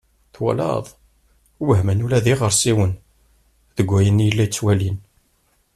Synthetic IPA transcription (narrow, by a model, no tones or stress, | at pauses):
θwæ̰lɑ̰ðˤ | wəɦmənulæðiʁəɾsiwən | ðəɡʷːæjənjəlːæjt͡sːwælin